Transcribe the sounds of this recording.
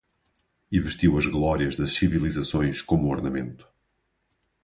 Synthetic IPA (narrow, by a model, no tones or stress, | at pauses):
ivɨʃt̪iwɐʒɣlˠɔɾiɐʒðɐʃsivilˠizɐsõj̃ʃkomuɔɾnɐmẽnt̪u̥